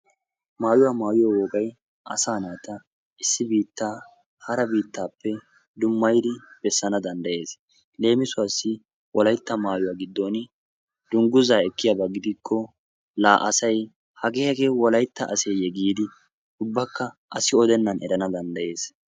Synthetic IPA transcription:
maːjʊwaːmaːjʊwawɔkʼɐj | ʔɐ̰saːnaːt̪ɐ | ɪsːɪbiːt̪ːaː | hɐɾɐbiːt̪ːaːpːɛ | d̪ʊmːɐjd̪ɪb̥ɛsːɐnɐd̪ɐnd̪ɐje̞ːs | le̞ːmɪsʊwɐsːɪ | wɔlɐjt̪ːɐmaːjʊwaːɡɪd̪ːoːn | d̪̥ʊŋɡʊzaːɛkːɪjabɐɡɪd̪ɪkʰːɔ | laːʔɐsɐj | hɐɡeːhɐɡeːwɔlɐjt̪ːɐʔɐseːjɛɡiːd̪ɪ | ʊbːɐkːɐ | ʔɐsɪɔd̪ɛnːɐnɛ̰ɾɐnɐd̪ɐnd̪ɐje̞ːs

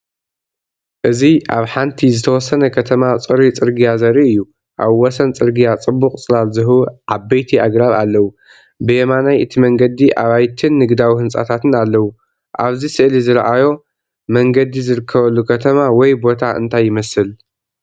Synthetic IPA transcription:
ʔɨziʔaβħant̪ʰizɨt̪ʰɐwɔsːɐnɐkʰɐt̪ʰɐmat͡sʼɨɾit͡sʼɨɾɡijazɐɾiʔɨjːu | ʔaβwɔsɐnt͡sʼɨɾɡijat͡sʼɨbːuχʼt͡sʼɨlalzɨɦuʕabɐjt̪ʰiaɡɾaβalːɐwu | bɨjemanajʔɨt̪ʰimɐŋɡɐd̪iʔaβajt̪ʰɨnːɨɡd̪awihɨnsʼa̰t̪ʰat̪ɨnalːɐwu | ʔaβzisɨʔlizɨɾʔajo̞ | mɐŋɡɐd̪izɨɾɨkʰːɐβɐlːukʰɐt̪ʰɐmawɔjbo̞t̪ʰaʔɨ̰nt̪ʰajːɪmɐsɨl

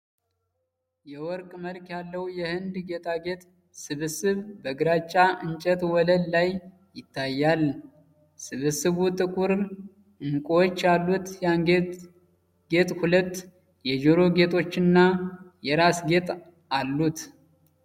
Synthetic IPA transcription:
jɛwɔɾkʼməlkjalːəwjɛhɨnd̪ɡe̞t̪ʰaɡe̞t̪ʼ | sɨβɨsɨβbəɡɨɾat͡ʃʼːaʔɨnt͡ʃʼət̪wɔləllajː | ɪt̪ʰːajːal | sɨβɨsɨβut̪ʼɨkʼuɾ | ɨŋkʼwot͡ʃːalːut̪jaɡe | ɡe̞t̪ʼhulət̪ː | jɛd͡ʒoɾo̞ɡe̞t̪ʰʼo̞t͡ʃːɨnːajɛɾasɡe̞t̪ʼ | alːut̪

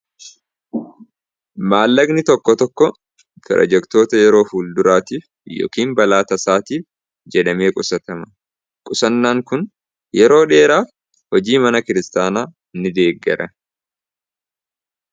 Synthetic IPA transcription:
maːlːɐɡnɪt̪ɔkːɔt̪ɔkːɔ | p̪ɾɐ̰d͡ʒɛkt̪o̞ːt̪ɐjɛɾo̞ːhuːld̪ʊɾaːt̪iːf | jo̰ːkiːmbɐlaːt̪ɐsaːt̪iːf | d͡ʒɛᶑɐme̞ːkʼʊsɐt̪ɐmɐ | kʼʊsɐnːaːŋkʊn | jɛɾo̞ːᶑe̞ːɾaː | hɔd͡ʒiːmɐnɐkɪɾɪst̪aːnaː | nːɪd̪e̞ːɡːɛ̰ɾʔɐ

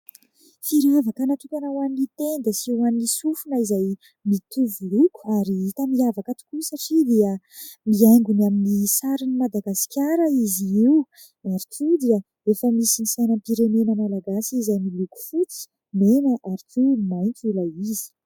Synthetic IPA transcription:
fiɾavakənat̪ukʲanawaninit̪end̪əsiianinisufunaizaj | mit̪uvuluku̥aɾiit̪amiavakət̪u̥kusaʈ͡ʂid̪eə | miaŋɡunaminisaɾinimad̪aɡasi̥kʲaɾəiziiw | aɾikud̪iə | efəmisinisajnəmpiɾenenəmalaɡasizajmiluku̥fut͡si̥ | menəʔaɾikʲʰumajnt̪ulaizi̥

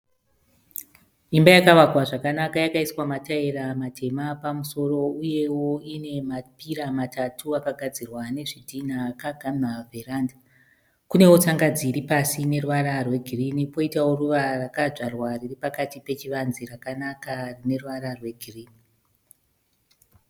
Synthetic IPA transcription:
imbajakaʋakwaʐakanakajakaiswamataiɾamatʰe̞mapamuso̞ro̞uje̞wo̞ine̞mapiɾamatʰatʰuakaɡʱad͡zirwane̞ʐidʱinakaɡʱamaveranda | kune̞wot͡saŋɡad͡ziɾipasine̞ruʋaɾarwe̞ɡʱirinipo̞itawo̞ruʋarakaʐarwariɾipakatipe̞t͡ʃiʋanzirakanakarine̞ruʋaɾarwe̞ɡʱiriːni

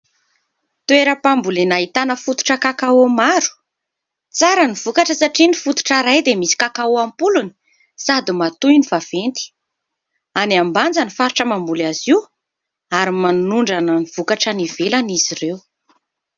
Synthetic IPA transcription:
t̪ueɾəpambulenaɦit̪anəfut̪u̥ʈ͡ʂəkakaomaɾu̥ | t͡saɾəniv̥ukaʈ͡ʂəsaʈ͡ʂinifut̪u̥ʈ͡ʂaɾajd̪emisi̥kakauampuluni̥ | sad̪imat̪ujnivav̥ent̪i̥ | aniamband͡zanifaɾuʈ͡ʂəmambulaziw | aɾimanunuɳɖ͡ʐananiv̥ukaʈ͡ʂanivelanizirew

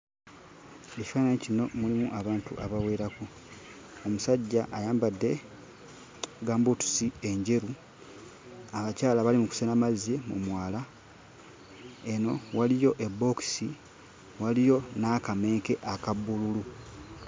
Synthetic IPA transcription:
ecifanaɲicino̞mulimuʔaβaːntṵʔaβawe̞ːɾaku | omusaɟːaʔajaːmbadːe̞ | ɡaːmbutu̥sie̞ɲɟe̞ɾu | aβacaːlaβalimuku̥senamazemṵmwaːla | eno̞walijo̞ʔebːo̞ki̥si | walijo̞naːkame̞ːŋke̞ʔakabːululu

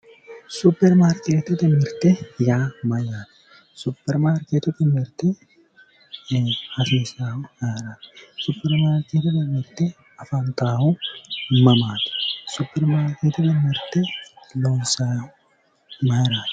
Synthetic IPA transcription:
supːɛɾmaːɾkeːt̪ɛt̪ɛmɪɾt̪ɛjaːmɐjaːt̪ɪ̥ | supːɛɾmaːɾkeːt̪ɛt̪ɛmɪɾt̪ːɛ | hɐseːsaːhʊaːɾaːt̪ɪ̥supːɛɾmaːɾkeːt̪ɛt̪ɛmɪɾt̪ːɛ | ɐfant̪aːhʊmɐmaːt̪ɛ̥supːɛɾmaːɾkeːt̪ɛt̪ɛmɪɾt̪ɛloːnsaːhʊ | mɐjɾaːt̪ɛ̥

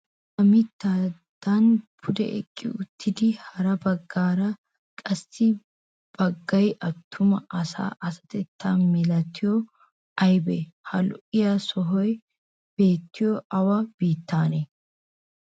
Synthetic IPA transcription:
ʔɐmit̪ːaːd̪̥anbʊd̪ɛ̰ʔɛ̰kʼːɪ̰ʊt̪ːɪd̪ihɐɾɐbɐɡːaːɾɐ | kʼɐsɪ | b̥ɐɡːɐjʔɐt̪ʰːʊmɐʔɐsa̰ːʔɐsɐ̥t̪ɛt̪ʰːaːnmɪlɐt̪ːɪjɔ | ʔɐjbɛhɐlʊʔɪjɐsɔɦɔj | b̥e̞ːt̪ːɪjɔɐwɐb̥iːt̪ːaːnɛ

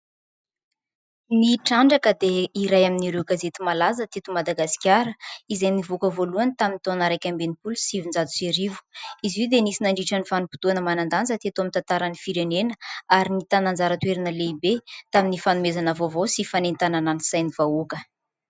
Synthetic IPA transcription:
niʈ͡ʂaɳɖ͡ʐakəd̪eiɾajaminiɾewɡazet̪imalazət̪et̪umad̪aɡasi̥kʲjaɾəizajnivukəvoluanit̪amint̪onaɾajkʲambenipulusivind͡zat̪u̥seɾivu̥iziwd̪enisinaɳɖ͡ʐiʈ͡ʂənifanupu̥t̪uanəmanand̪anzət̪et̪uamint̪ant̪aɾanifiɾenenəaɾinit̪anand͡zaɾət̪weɾinəleibet̪aminifanumezanəvovosifanent̪anananisajnivaukə

